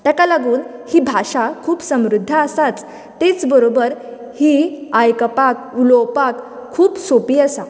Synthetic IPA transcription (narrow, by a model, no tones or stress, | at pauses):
t̪ɛkalaɡuːnhibʱaɕakʰuːpsəmɾud̪ʱːəəsat͡s | t̪et͡sbəɾobəɾ | hiajkəpak̚ulopakʰːuːpsopiːəsa